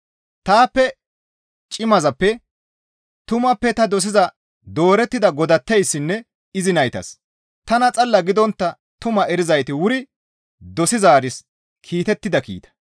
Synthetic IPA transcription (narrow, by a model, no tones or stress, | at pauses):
t̪aːpːɛ | t͡ʃʼɪmɐzɐpːɛ | t̪ʊmɐpːɛt̪ɐd̪ɔs̬ɪzɐ | d̪o̞ːɾɛt̪ːɪd̪ɐɡɔd̪ɐt̪ːɛjsːɪnːɛ | ɪzɪnɐjt̪ɐ̰s | t̪ɐnɐt͡sʼɐlːɐɡɪd̪ɔnt̪ːɐ | t̪ʊmɐɛɾɪzɐjt̪ɪwʊɾɪ | d̪ɔsɪzaːɾɪs | kʰiːt̪ɛt̪ːɪd̪ɐkḭːt̪ɐ̥